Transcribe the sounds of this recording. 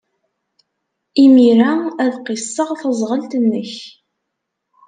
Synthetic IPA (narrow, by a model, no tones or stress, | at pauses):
imiɾææðqisˤːəʁθəzˤʁəlt̪ənːəç